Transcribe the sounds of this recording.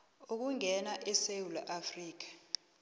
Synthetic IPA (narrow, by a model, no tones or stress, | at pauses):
ok̬uŋʱɛnaʔɛsewulaʔafriːk̬ḁ